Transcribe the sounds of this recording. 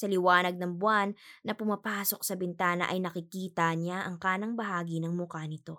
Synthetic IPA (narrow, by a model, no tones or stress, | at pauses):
sɐlɪwaːnɐɡ̚nɐŋbwanːɐpʊmɐpaːso̞k̚sɐbɛnt̪aːnɐ̰ʔɐjnɐkɪkiːt̪ɐɲaʔɐŋkaːnɐŋbɐɦaːɡinɐŋmʊkanɪt̪o̞